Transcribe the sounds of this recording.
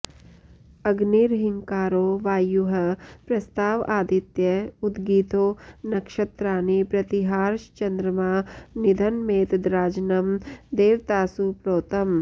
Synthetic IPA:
ɐɡniɾɦiŋkaːɾoːʋaːjuɦɐpɾɐst̪aːʋaːd̪it̪jɐud̪ɡiːt̪oːnɐkʃɐt̪ɾaːnipɾɐt̪iɦaːɾʃt͡ʃɐnd̪ɾɐmaːnid̪ʱɐnmeːt̪d̪ɾaːd͡ʒnɐmd̪eːʋt̪aːsupɾoːt̪ɐm

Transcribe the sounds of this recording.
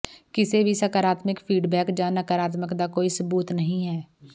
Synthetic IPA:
kɪsebʱisəkəɾaːt̪mɪkfʰiːɖbɛːkd͡ʒaːnəkəɾaːt̪məkd̪akoːisəbuːt̪nɐɦĩɦɛː

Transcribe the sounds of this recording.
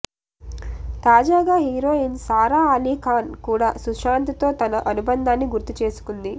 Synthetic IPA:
t̪aːd͡ʒaːɡaːɦiːɾo̞ːinsaːɾaːaːliːkaːnkuːɽaːsuʂaːnt̪it̪o̞ːt̪ɐnɐʔɐnubɐnd̪ʱaːnːiɡuɾt̪it͡ʃe̞ːsu̥kund̪i

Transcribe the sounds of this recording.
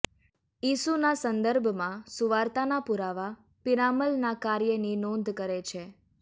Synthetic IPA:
isunasə̃nd̪əɾbʱmãsuʋaɾt̪anapuɾaʋa | piɾaməlnakaɾjəninõnd̪ʱkəɾet͡ʃʰe

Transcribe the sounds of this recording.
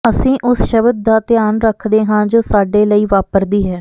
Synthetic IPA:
əsĩːʔʊsʃəbəd̪̚d̪aːt̪ɪjaːnɾəkʰd̪eːɦãːd͡ʒoːsaːɖeːləiːʋaːpəɾd̪iːɦɛː

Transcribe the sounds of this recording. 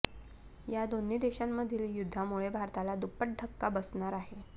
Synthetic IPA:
jad̪oniːd̪eɕamːəd̪ʱiːljud̪ʱːamuɭebʱaɾt̪alad̪upːəʈ̚ɖʱəkːabəsɳaɾaɦe

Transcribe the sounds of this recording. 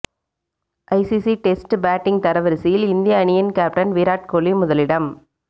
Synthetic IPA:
ʔɐɪsisiʈesʈbaːʈːɪŋt̪ɐɾɐʋɐɾɪsijɪlɪnd̪ɪjɐɐɳɪjɐnkaːp̚ʈɐnʋiːɾaːʈ̚koːlimʊðɐlɪɽɐm

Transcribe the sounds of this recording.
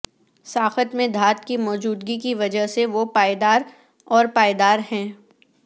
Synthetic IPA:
saːxət̪mẽd̪ʱaːt̪kimɔːd͡ʒuːd̪ɡikiʋɐd͡ʒəɦseʋopaːjd̪aːɾ | ɔːɾpaːjd̪aːɾɦɛ̃ː

